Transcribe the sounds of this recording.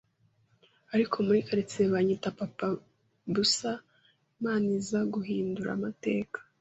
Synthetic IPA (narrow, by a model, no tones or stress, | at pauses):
aɾikʰo̞muɾikaɾit͡seβaɲitapapa | busa | maːnizaɡuhiːnduɾa̰mate̞ːkḁ